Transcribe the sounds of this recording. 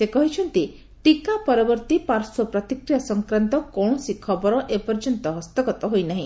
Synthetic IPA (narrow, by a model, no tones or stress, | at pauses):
sekɔɦit͡ʃʰɔnt̪i | ʈikapɔɾɔbɔɾt̪ipaɾsɔpɾɔt̪ikɾijasɔŋkɾant̪ɔkɔɽ̃ɔsikʰɔbɔɾɔʔepɔɾd͡ʒɔnt̪ɔɦɔst̪ɔɡɔt̪ɔɦojnaɦĩ